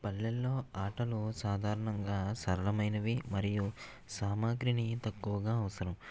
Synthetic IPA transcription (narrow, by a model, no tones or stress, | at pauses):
pɐlːelːo̞ːaːʈɐlusaːd̪ʱaːɾɐɳɐŋɡaːsɐɾɐlɐmɐjnɐʋimɐɾiju | saːmaːɡɾinit̪ɐkːuʋɐɡaːɐʋɐsɐɾɐm